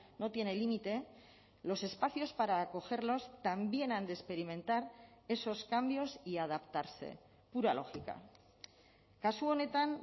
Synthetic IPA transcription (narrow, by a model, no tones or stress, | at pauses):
no̞t̪je̞ne̞limit̪e̞ | lo̞se̞spaθjo̞spaɾaːko̞xe̞ɾlo̞st̪ambje̞nand̪espe̞ɾimẽ̞nt̪aɾe̞so̞skambjo̞siað̞apt̪aɾse̞̰ | puɾalo̞̰xika̰ | kasuo̞ne̞t̪an